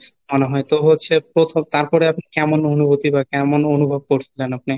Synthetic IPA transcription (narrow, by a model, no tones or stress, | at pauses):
moneɦɔet̪oɦotːɕʰepɾot̪ʰomt̪aɾpɔɾeapnikɛmononubot̪ibakɛmononubʱob̚koɾt͡ɕʰilenap̚ni